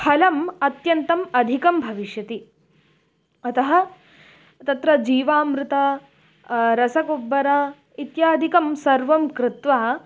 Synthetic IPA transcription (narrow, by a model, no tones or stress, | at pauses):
pʰɐlɐmɐt̪jɐnt̪ɐmɐd̪ʱikɐmbʱɐʋiʃjɐt̪i | ɐt̪ɐɦɐ̆ | t̪ɐt̪ɾɐd͡ʒiːʋaːmɾɪt̪ɐ | ɾɐsɐkobːɐɾɐ | it̪jaːd̪ʱikɐmsɐɾʋɐmkɾɪt̪ʋaː